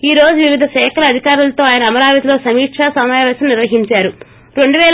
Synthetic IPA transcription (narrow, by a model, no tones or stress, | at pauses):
iːɾo̞ːd͡ʒuʋiʋid̪ʱɐʃɛːkʰɐlɐːd̪ʱikaːɾulɐt̪o̞ːaːjɐnɐːmɐɾaːʋɐt̪ilo̞ːsɐmiːʈʂaːsɐmaːjʋɐːsɐmniɾʋɐɦiɲt͡ʃaːɾu | ɾe̞ɳɖuʋɛːl